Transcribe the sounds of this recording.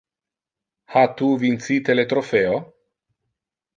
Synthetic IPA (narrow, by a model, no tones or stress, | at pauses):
hat̪uvint̪sit̪elet̪ɾofeo